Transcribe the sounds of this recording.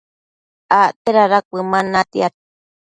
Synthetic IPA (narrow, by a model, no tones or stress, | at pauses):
aʔt̪eɾaɾakʷɨmanat̪iat̪̚